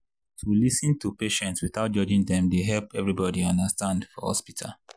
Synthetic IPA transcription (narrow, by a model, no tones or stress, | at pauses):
tulisɨ̃ntupeʃɛ̃ntswiθaʊt̚d͡ʒɔd͡ʒĩŋdɛ̃mdeɦɛlpɛvɹibɔdiɔ̃ndəstãndfɔhɔ̰spitʰa̰l